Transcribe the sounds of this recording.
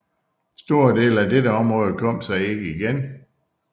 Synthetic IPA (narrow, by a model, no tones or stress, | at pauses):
sd̥o̝ɐ̰de̝̰ːlæd̥eɾəɒ̽mʁɔ̽ːð̞̩ˠkʰɒ̽m̰̥sɑ̈ɪe̝ɡ̥əiɡ̥en